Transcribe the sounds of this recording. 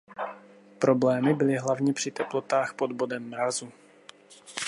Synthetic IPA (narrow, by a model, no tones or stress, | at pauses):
pɾo̞blɛːmɪbɪlɪɦlavɲɛpr̝̥ɪt̪ɛplo̞t̪aːxpo̞d̪bo̞dɛmːɾazu